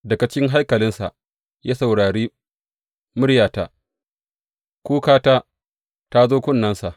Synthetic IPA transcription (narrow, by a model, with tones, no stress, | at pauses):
dɐ˨ka˨t͡ʃʲɪ˦ŋɦa˦jkɐ˨lɪ˦nsa̰˨ʔ | jaː˦sa˨wɽaː˨ɽiː˦ | mʊ˦ɽjaː˨ta˨ | kʷuː˦kaː˦taː˦ | ta˦zoː˦kʷʊ˦˨nːɐ˦nsa˨ʔ